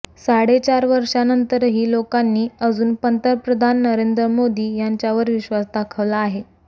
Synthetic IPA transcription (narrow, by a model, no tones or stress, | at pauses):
saɽet͡ɕaɾʋəɾʂanənt̪əɾɦiːlokanːiːəd͡zuːnpənt̪əɾpɾəd̪ʱanːəɾend̪ɾəmod̪iːjaɲt͡ɕjaʋəɾʋiɕʋasd̪akʰəʋlaːɦe